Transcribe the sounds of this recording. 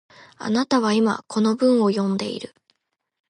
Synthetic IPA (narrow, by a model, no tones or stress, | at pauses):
a̰nat̪aβ̞aima̰kʰo̞no̞bɯ̟̃ɰ̃o̞jõ̞nd̪e̞̰ḭɾɯ̟